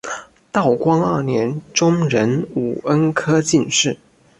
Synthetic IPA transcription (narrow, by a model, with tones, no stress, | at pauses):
t̪ɑ˥˩ʊkwɑ˥ŋɐ˞˥˩njɛ˧˥nʈ͡ʂʊ˥ŋɻə˧˥nu˨˩ə˥nkʰɤ˥t͡ɕi˥˧nʂɻ̩˥˩